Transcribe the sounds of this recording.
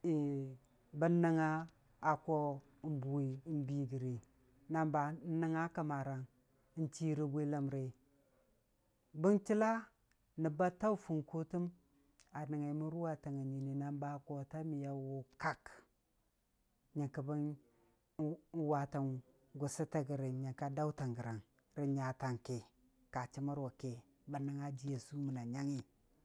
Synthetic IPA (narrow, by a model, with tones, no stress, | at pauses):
ba˦na˦ŋaː˦˨ | ko˦ | m˦bu˨i˨˦m˦bi˨ɡi˨ɾe˨ | na˨mba˨˦na˦ŋa˦ka˨ma˨ɾa˨n˦ | nti˦ɾi˨ɡʷe˦la˨mɾe˨ | bə˦nti˦la˦ | nə˨ba˦ta˦u˦fu˨nku˦tu˦m | a˨ni˨ŋa˨mu˦ɾu˦wa˨ta˨ŋa˨ɲi˨ni˨na˦nba˦ko˨ta˦mi˨ja˨wo˨ka˦k | ɲa˨ka˨ba˦n˦ | wa˨ta˨n | ɡu˨si˦ta˦ɡi˨ɾi˨ɲa˨ka˦da˦u˦ta˨ŋɡə˨ɾa˨n | ɾi˨ɲa˨ta˨ŋke˨ | ka˨t͡ʃi˦ma˦ɾwa˨ke˨ | ba˨na˨ŋa˦d͡ʒi˦ja˨su˦mə˨na˨ɲa˦ŋi˦